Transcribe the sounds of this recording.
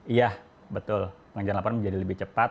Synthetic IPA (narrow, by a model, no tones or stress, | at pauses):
ijah | bət̪ʊlpəŋəd͡ʒaɾanlapɔanməɲd͡ʒadiləbɪht͡ʃəpat